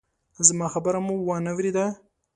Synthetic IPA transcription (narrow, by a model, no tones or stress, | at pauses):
zmɑxabəɾamuwanawɾed̪a